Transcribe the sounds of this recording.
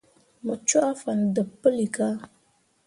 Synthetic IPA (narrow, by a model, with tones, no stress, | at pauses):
mə˨t͡ʃu˦a˦fa˨n˨də˨pːə˦li˨ka˦